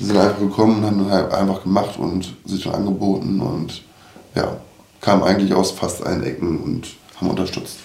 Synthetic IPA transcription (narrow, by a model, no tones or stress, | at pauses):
vizɪntʔaɪfaχɡ̥əkʰɔmənʊnthaːbm̩ndashaʔa̰ɪnfaχɡ̥əmaχtʊ̰ntzɪʃonʔa̰nɡəboːtn̩ʊ̰nt | ja̰ː | kʰaːməm̩ʔaɪɡŋ̩tlɪça̰ʊsfastʔa̰lənʔɛ̰kŋ̩ʊnthaːbm̩ʔʊ̰ntɐʃtʏt͡st